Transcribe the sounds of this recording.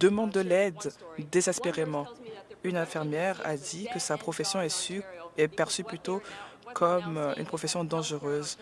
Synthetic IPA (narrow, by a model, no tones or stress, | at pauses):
d̪əmɑ̃d̪əlɛd̪d̪ezɛspeʁemɑ̃ynɛ̃fɛʁmjɛʁa̰d̪ikəsapχɔfɛsjɔ̃ɛsɛpɛʁsyplyt̪okʰɔmy̰npχɔfɛsjɔ̃d̪ɑ̃ʒəʁøːz